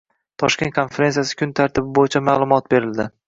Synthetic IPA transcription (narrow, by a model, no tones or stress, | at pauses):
t̪ʰɒʃkʲe̞nt̪̚kʰo̞nfeɾe̞nsijasɪ̥kʰʲʊnt̪ʰaɾt̪ʰɪbɪbojɪt͡ʃʰamaːlˠʊmɒt̪̚be̞ɾɪld̪ɪ